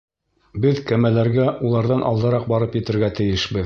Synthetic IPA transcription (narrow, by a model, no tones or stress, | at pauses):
bɘðkæmælæɾɡæulˠɑɾðɑnʔɑ̰lˠd̪ɤ̆ɾɑq̚bɑɾɤpjɘ̆t̪ɘ̆ɾɡæt̪ɘ̆jɘʃbɘð